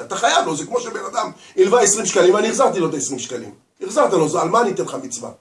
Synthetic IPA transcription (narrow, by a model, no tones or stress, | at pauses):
at̪aχajavlo̞zekmo̞ʃebenad̪am | ilvaesʁimʃkalimvaniːχzaʁt̪ilo̞t̪aesʁimʃkalḭm | iχzaʁt̪alozalmaːnit̪enχamit͡sva̰